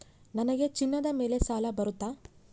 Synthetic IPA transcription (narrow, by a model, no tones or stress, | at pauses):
nɐnɐɡe̞t͡ʃinːɐd̪ɐme̞ːle̞saːlɐbɐɾut̪ːaː